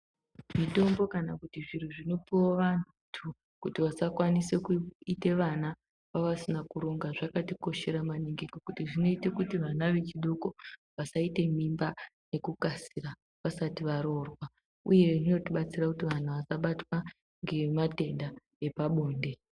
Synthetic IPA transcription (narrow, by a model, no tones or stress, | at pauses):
mito̞mbo̞kanakutiʐir̤uʐino̞piwoʋan | tʰu | kutiʋasakwanise̞kuite̞ʋana | paʋasinakuɾo̞ŋɡaʐakatiko̞ʃe̞ɾamaneŋɡekokutiʐino̞ite̞kutiʋanaʋe̞t͡ʃiɗo̞ko̞ʋasaite̞mimbane̞kukasira | ʋasatiʋaɾo̞rwa | uje̞ʐino̞tiɓat͡sirakutiʋan̤uʋasaɓatwa | ŋɡe̞mate̞nda | e̞paɓo̞ːnde̞